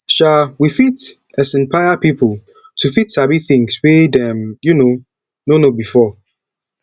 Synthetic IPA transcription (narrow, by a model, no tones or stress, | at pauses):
ʃalwifit | ɛsɪ̃npʰaɪjapipʰʊl | tʰufitsabiθɪ̃ŋswedɛ̃mjuno | nonobifɔ